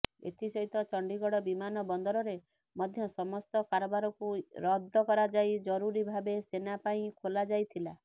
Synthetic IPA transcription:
ḛt̪ʰisɔɦit̪ɔt͡ʃɔɳɖiɡɔɽɔbimanɔbɔnd̪ɔɾɔɾe | mɔd̪ʱjɔsɔmɔst̪ɔkaɾɔbaɾɔkuɾɔd̪ʱɔkɔɾad͡ʒajd͡ʒɔɾuɾibʱabesenapaĩkʰolad͡ʒajt̪ʰila

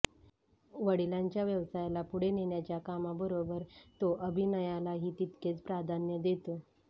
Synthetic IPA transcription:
ʋəɽ̤ilaɲt͡ɕjaʋjəʋsajlapuɽ̤eneɳjat͡ɕjakamabəɾobəɾt̪oʔəbʱinəjalaɦiːt̪it̪ket͡spɾad̪ʱanjəd̪et̪o

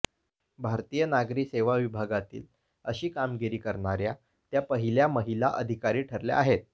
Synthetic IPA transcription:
bʱaɾt̪iːjənaɡɾikseʋaʋibʱaɡat̪ḭːl | əɕiːkamɡiɾiːkəɾɳaɾja | t̪japəɦiljaməɦilaʔə̰d̪ʱikaɾiːʈʰəɾlja̰aɦet̪̚

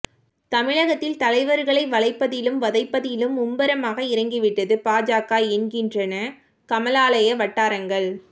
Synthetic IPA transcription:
t̪ɐmɪɭɐɣɐt̪ːɪlt̪ɐlɐɪʋɐɾɣɐɭɐɪʋɐlɐɪpːɐðɪlɯmʋɐðɐɪpːɐðɪlɯmʊmbɐɾɐmaːɣɐɪɾɐŋɡɪʋɪʈːɐðɯpaːd͡ʒaːkaːɛɳɡɪndrɐnɐ | kɐmɐlaːlɐjɐʋɐʈːaːɾɐŋɡɐɭ

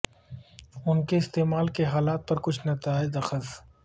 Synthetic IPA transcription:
ʊnkeɪst̪eːmaːlkeɦaːlaːt̪̚pɐɾkʊt͡ʃʰnɐt̪aːɪd̪ɐxəs

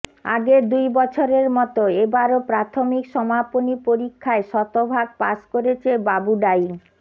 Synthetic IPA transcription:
a̰ɡed̪ujbɔt͡ɕʰoɾeɾmɔt̪oebaɾopɾat̪ʰomikʃɔmaponipoɾikʰːaeʃɔt̪obʱaɡ̚pa̰ʃkoɾet͡ɕʰebabuɖaj

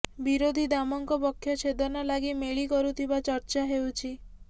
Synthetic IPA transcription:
biɾod̪ʱid̪amɔŋkɔpɔkʰːjɔt͡ʃʰed̪ɔnalaɡimeɭikɔɾut̪ʰibat͡ʃɔɾt͡ʃaɦewt͡ʃʰi

